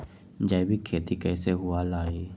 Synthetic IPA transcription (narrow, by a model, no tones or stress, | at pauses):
d͡ʒɐjbʱikʰeːt̪ikɛːseɦʊalaːiː